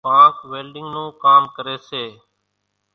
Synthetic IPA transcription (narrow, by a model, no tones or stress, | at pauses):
pãːkʋeːlɖɪ̃ŋɡnũːkaːmkəɾeːseː